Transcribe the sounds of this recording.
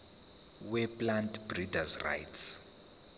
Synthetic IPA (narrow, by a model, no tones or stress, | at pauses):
wɛplantb̥ridazra̰jts